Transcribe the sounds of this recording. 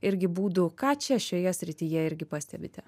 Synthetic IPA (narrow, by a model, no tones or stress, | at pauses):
ɪɾʲɡʲɪbuːd̪ʊkɑːt͡ʃʲɛʃʲoːjɛsʲɾʲɪt̪ʲijɛɪɾʲɡʲɪpɑːsʲt̪ʲɛbʲɪt̪ʲɛ